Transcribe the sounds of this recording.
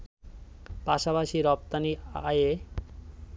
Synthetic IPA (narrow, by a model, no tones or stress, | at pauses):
paʃapaʃiɾɔp̚t̪aniaje